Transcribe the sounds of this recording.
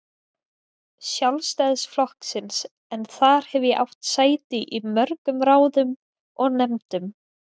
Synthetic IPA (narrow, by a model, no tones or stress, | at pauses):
sjawlst̪ajðsflɔhksɪns | ɛnθaɾ̥hɛvjɛʔa̰wht̪saːjt̪ɪʔimœɾkʏmɾaːwðʏm | ɔɣnɛmt̪ʏm